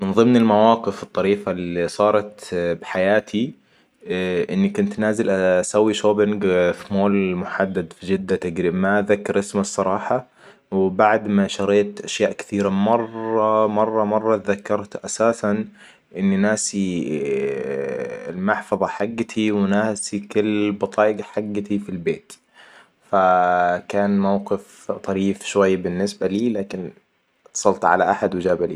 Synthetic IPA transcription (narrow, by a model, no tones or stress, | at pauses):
mɪnðˤɨmnɪlmawɑːqɪfɨt̪ˤːɑɾiːfalisˤɑːɾˤɑt̪bħajaːt̪ʰi | ʔɪnːikʊnt̪naːzɪlʔasawːiʃoːbɪŋɡfimoːlmʊħad̪ːad̪fid͡ʒɪd̪ːat̪aɡɾiːbmaðakːɑɾʔɪsmsˤːɑɾˤɑːħɑ | wbaʕd̪maʃɑɾˤeːt̪ʔaʃjaːʔkɪ̥θiːɾamɑrˤɑmɑrˤːɑmɑrˤːɑt̪ðakːɑɾˤt̪ʔasaːsan | ʔɪnːinaːsi | lmaħfɑðˤɑħaɡːat̪ʰiwɪnaːsikʊlːbɑt̪ˤɑːʔɡħaɡːat̪ifilbeːt̪ | fakaːnmawqɪf | t̪ˤɑɾiːfʃwajːbɪnːɪsbaliːlaːkɪn | t̪sˤɑlt̪ʕa̰laʔaħad̪wɪd͡ʒaːbalḭː